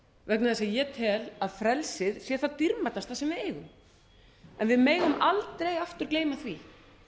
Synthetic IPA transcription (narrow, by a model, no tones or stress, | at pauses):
vɛknaðasajɛt̪ʰɛːlaðfɾɛlsɪðsjɛ̥θat̪iɾmat̪ast̪asɛmvɪðeːjɣʏm | ɛnvɪðmeːjɣʏmʔalt̪ɾejaft̪ʏɾ̥kleːjmaθvi